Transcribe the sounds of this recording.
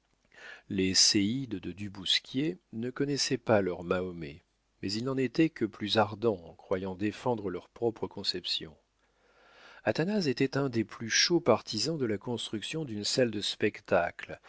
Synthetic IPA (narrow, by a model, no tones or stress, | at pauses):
leseid̪d̪əd̪ybuskʲjenəkɔnɛsɛpalœʁmaɔmɛ | mɛzilnɑ̃net̪ɛkəplyzaʁd̪ɑ̃ɑ̃kχwajɑ̃d̪efɑ̃d̪ʁəlœʁpχɔpχəkɔ̃sɛpsjɔ̰̃ | at̪anazet̪ɛt̪ɛ̃d̪eplyʃopaʁt̪izɑ̃d̪əlakɔ̃st̪χyksjɔ̃d̪ynsɛld̪əspɛkt̪akl